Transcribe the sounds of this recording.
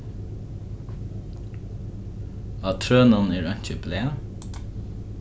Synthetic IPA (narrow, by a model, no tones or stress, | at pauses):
ɑːt̪ʰɾøːnɑneːɹœɲ̥c͡çəbleː